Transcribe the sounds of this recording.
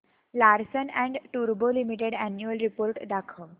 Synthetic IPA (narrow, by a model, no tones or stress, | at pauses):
laɾsənɛ̃ɳɖʈuɾbolimiʈeɽænjuəlɾipoːɾʈd̪akʰə